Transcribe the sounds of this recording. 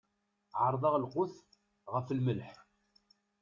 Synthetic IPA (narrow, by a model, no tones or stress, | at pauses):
ʕəɾˤðˤɑʁlqʊθ | ʁəfəlməlħ